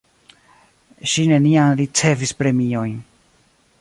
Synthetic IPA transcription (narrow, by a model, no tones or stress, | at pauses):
ʃine̞nianɾit͡se̞vispɾe̞mio̞jn